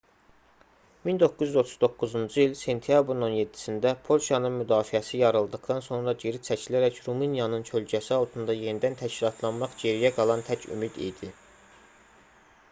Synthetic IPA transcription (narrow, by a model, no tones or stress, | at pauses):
mind̪o̞kːuzyzo̞t̪ʰuzd̪o̞kːuzund͡ʒɯilse̞nt̪ʰijɑbɾino̞nje̞d̪ːi̥sind̪æpʰo̞lˠʃɑnɯnmyd̪ɑːfiæsijɑɾɯlˠd̪ɯχd̪ɑnso̞nɾɑɟe̞ɾit͡ʃʰæcʰilæɾæcɾuminjɑnɯnt͡ʃʰøld͡ʒæsiɑlˠt̪ʰɯnd̪ɑje̞nid̪ænt̪ʰæʃcilˠɑt̪ʰlˠɑnmɑχd͡ʒe̞ɾijæɡɑlˠɑnt̪ʰæcʰy̰mid̪ḭjd̪i